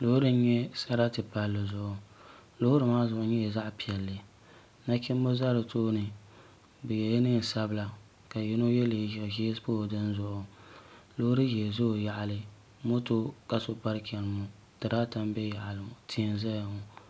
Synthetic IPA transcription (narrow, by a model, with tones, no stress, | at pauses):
lo˦hʊ˦ɾɨ˦n˦ɲɛ˦sa˦ɾa˦tɨ˨pa˨lːɨ˨zʊ˦˨ʔʊ˨lo˦hʊ˦ɾɨ˨maː˦zʊ˨ʔʊ˨ɲɛ˦jɛ˨za˦ʔpi˨ɛ˨lːɨ˨ | na˦kʲi˦m˦bo˦za˦ɾɨ˨toː˦nɨ˨ | bɨ˨jɛ˨jnɨ˦n˨sa˦bɨ˦la˨ | ka˨jɪ˦no˦jɛ˦le˨ʒi˦spoː˦˨dɨ˦nzʊ˨ʔʊ˨ | lo˦hʊ˦ɾɨ˦jɛ˨zʊ˦˨ja˨ʔa˨lɨ˦ | mo˦to˦ka˨so˦pa˦ɾkʲɛ˨lɨ˨mʊ˨ | tɨ˨ɾaː˦ta˦m˦bɛ˦ja˨ʔa˨lɨ˨tʰi˦˨nza˦ja˨mʊ˨